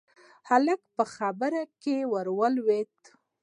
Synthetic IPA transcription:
haləkpəxabəɾakewəɾwəlwet̪

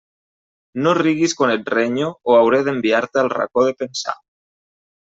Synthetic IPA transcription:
noriɣiskonet̪reɲooawɾeðembiaɾt̪ealra̰koð̞epensa̰

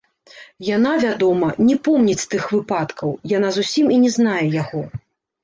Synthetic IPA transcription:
janavʲad̪ɔmɐnʲɛpɔmnʲit͡sʲst̪ɨxvɨpat̪kɐwjan̪azusʲiminʲɛzn̪ajɛjaɣɔ

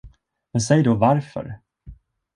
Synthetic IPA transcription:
mɛnsɛjd̪ɔvaɾfœ̰ɾ

